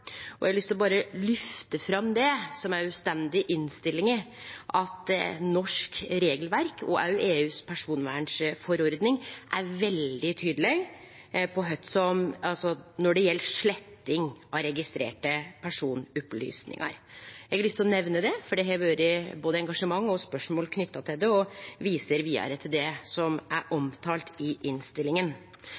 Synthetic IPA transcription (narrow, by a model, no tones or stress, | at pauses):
ɔʔɛɡɑlʏst̪ɪlɔbɑːɾəlʏft̪əfɾɑmd̪ɛsɔmæɾʉːst̪ɛnd̪ɪʔɪnst̪ɪlːɪŋə | ʔɑt̪nɔʂkɾeːɡəlʋæɾkʰɔ̰ʔæʉʔeːʉːspʰæʂuːnʋæ̰ːɳʂfɔɾɔɾd̪nɪŋʔæɾʋɛld̪ɪt̪ʰyːd̪lɪɡ | pʰɔɦœt̪sɔmɑlsɔnɔɖɛjɛlːʂɭɛt̪ːɪŋɑɾɛɡɪst̪ɾḛːʈəpʰæʂuːnʉply̰ːsnɪ̰ŋɑ̰ɾɛɡɑlʏst̪ʰɔnɛʋnəd̪ɛfɔɖɛɦɛːɾʋøːɾɪboːd̪əɛŋɡɑʂəmɑŋːɔspœʂmoːlkʰnʏt̪ːɑt̪ʰɪld̪ɛɔʋiːsəɾʋiːɑ̰ɾət̪ʰɪld̪ɛsɔmʔæɾʔɔmt̪ʰɑːlt̪ɪʔɪnst̪ɪlɪŋən